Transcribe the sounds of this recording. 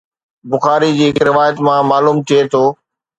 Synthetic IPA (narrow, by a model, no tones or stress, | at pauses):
bʊxaːɾid͡ʑiːɦɪkɾɪʋaːjət̪mãmaːluːmt̪ʰiet̪ʰoː